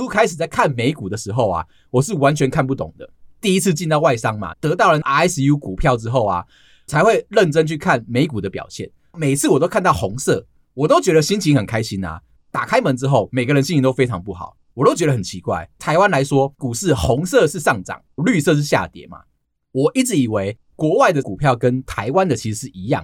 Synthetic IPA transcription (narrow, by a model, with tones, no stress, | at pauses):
u˥kʰa˥ɪʂɻ̩˨˩t͡sa˥˩ɪkʰa˥˨nme˧˥ɪku˨˩d̪ə˦ʂɻ̩˧˥xo˥˩ʊa̰˨˩ | wɔ˨˩ʂɻ̩˥˩wa˧˦nt͡ɕʰɥɛ˧˦nkʰa˥˧npu˥˩t̪o̰˨˩ŋd̪ə̰˦t̪i˥˨i˦˥t͡s̩ʰ˥˧t͡ɕi˥˧nt̪ɑ˥˧ʊwa˥˩ɪʂɑ˦ŋma̰˨t̪ɤ˧˥t̪ɑ˥˩ʊlə˨˩n˧˥ɛ˥sju˦ku˨˩pʰjɑ˥˨ʊʈ͡ʂɻ̩˥xo˥˩ʊa̰˩ | t͡sʰa˧˥ɪxwe˥˧ɪlə˥˨nʈ͡ʂə˦nt͡ɕʰy˥˧kʰa˥˩nme˨˧˥ɪku˨˩d̪ə˦pjɑ̰˨˩ʊɕjɛ̰˥˩n | me˨˩ɪt͡sʰɹ̩˥˩˨wɔ˨˩t̪o˥ʊkʰa˥˧nt̪ɑ˥˩ʊxo˧˦˥ŋsɤ˥˨ | wɔ˨˩t̪o˥ʊt͡ɕɥɛ˧˦˥ɾə˧ɕi˥nt͡ɕʰi˧˥xə˨˩nkʰa˥ɪɕi˦na̰˨ | t̪a˨˩kʰa˥ɪmə˧˦nʈ͡ʂɻ̩˥xo˥˩ʊme˨˩ɡə˦ɻə˦nɕi˥˧ni˨˥t̪o˥ʊfe˥ɪɑ̰˧ŋp̬u˥˩xɑ̰˨˩˦ʊwɔ˨˩t̪o˥ʊt͡ɕɥɛ˧˥ɾə˩hə˨˩t͡ɕʰi˧˦kwa̰˥˩ɪt̪ʰa˧˥ɪwa˥˦nla˧˦ɪʂwɔ˥ku˨˩ʂɻ̩˥˩hɔ˧˦ŋsɤ˥˧ʂɻ̩˥˧ʂɑ˥˨˩ŋʈ͡ʂɑ̰˨˩˦ŋly˥˧sɤ˥˧ʂ̬ɻ̩˥˧˩ɕja̰˥˨t̪jɛ̰˨˩˦ma̰˨˩ | wɔ˨˩ʔi˥˩t͡sɻ̩˧˩i˨˩we˧˥ɪ | kwɔ˧˥wa˥˩ɪd̪ə˩ku˨˩pʰjɑ˥˨ʊkə˦nt̪ʰa˧˥ɪwa˦nd̪ə˨t͡ɕʰi˧˥ʂ̩˧˦ʂɻ̩˥˩i˧˦jɑ̰˥˨ŋ